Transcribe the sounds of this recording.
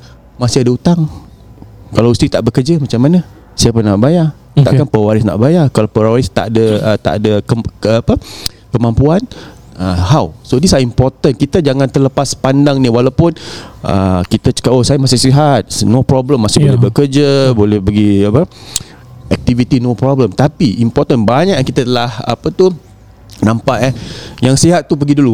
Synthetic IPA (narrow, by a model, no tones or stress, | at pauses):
masɪadaut̪aŋ | kalawust̪it̪aʔbəkərd͡ʒamat͡ʃamːana | siapənaʔbaja | t̪aʔkanpawaɾɪsna̰ʔbajakalawpɾaɾɪst̪a̰ʔdəət̪a̰ʔadəkəːpə | kəmampuan | əhawsodisaimpɔrt̪ənkit̪əd͡ʒaŋant̪ərləpaspandaŋnĩwalawpʊnʔə̰kit̪at͡ʃə̥kaohsajamasɪhsiɦat̪̚nopɾɔbləmːasɪbolɛhbəkərd͡ʒəbolɛhbəɡiapə | ɛk̚t̪ivit̪inopɾɔbləmt̪apiimpɔrt̪ənbaɲaʔjaŋkit̪at̪əlaha̰pət̪u | nãmpaʔɛhjaŋsiɦat̪̚ːup̬əɡidulu